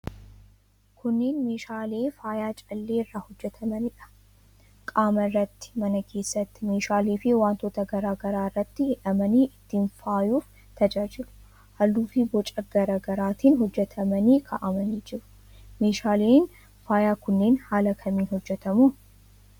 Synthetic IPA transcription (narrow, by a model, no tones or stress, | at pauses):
kʰʊnːe̞ːnme̞ːʃaːle̞ːfaːjaːt͡ʃʼɐlːe̞ːɪrːaːhɔd͡ʒːɛt̪ʰɐmɐnɪᶑɐ̥ | kʼaːmɐrːɐt̪ːɪ̥mɐnɐkʰe̞ːsːɐt̪ːɪ̥me̞ːʃaːliːfɪwaːnt̪oːt̪ɐɡɐɾaːɡɐɾaːɪrːɐt̪ːɪɪᶑɐmɐniːʔɪt̪ːiːnfaːjuːf | t̪ɐd͡ʒaːd͡ʒɪlʊ̥ | hɐlːuːfɪbɔt͡ʃʼɐɡɐɾaːɡɐɾaːt̪iːnɦɔd͡ʒːɛt̪ʰɐmɐniːkʰaʔɐmɐniːd͡ʒɪɾʊ̥ | me̞ːʃaːleːn | faːjaːkʊnːe̞ːnhaːlɐkʰɐmiːnhɔd͡ʒːɛt̪ɐmuː